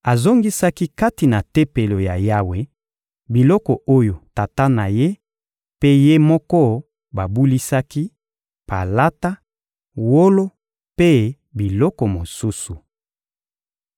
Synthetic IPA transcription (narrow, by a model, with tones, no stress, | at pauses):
a˨zo˦ŋɡi˦sa˦ki˦ka˦ti˨na˨te˦pe˨lo˨ja˨ja˦we˦ | bi˨lɔ˦kɔ˨ʔo˦jo˨ta˨ta˦na˨je˦ | pe˦je˦mɔ˦kɔ˦ | ba˨bu˦li˦sa˦ki˦ | pa̰˨la˦ta˦ | wo˦lo˦ | pe˦ | bi˨lɔ˦kɔ˨mo˨su˦su˨